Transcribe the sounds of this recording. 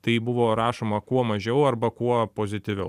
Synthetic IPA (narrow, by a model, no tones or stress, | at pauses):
t̪ɐɪbʊʋoːɾɑːʃoːmɐkuɔmɐʒʲɛʊɐɾbɐkuɔpoːzʲɪt̪ʲɪʋʲɛʊ